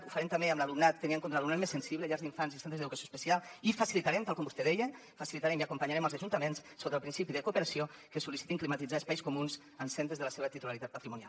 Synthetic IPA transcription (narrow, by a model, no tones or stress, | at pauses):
ufəɾemt̪ambeəmləlumnat̪ːəniəŋkont̪ɾalumnat̪mesənsiβləʎalzðiɱfanzinsant̪ezðeðukəsjoespəsialˠifəsilit̪aɾɛmt̪alˠkɔmbust̪eðɛjə | fəsilit̪aɾɛmiakumpaɲaɾɛməlˠzəʒunt̪əmenssot̪əlpɾinsipiðəkupəɾasiokəsulisi̥t̪iŋklimat̪id͡zaəspajskumunz | ənsɛnt̪ɾəzðələseβt̪it̪ulaɾit̪at̪pət̪ɾimunja̰l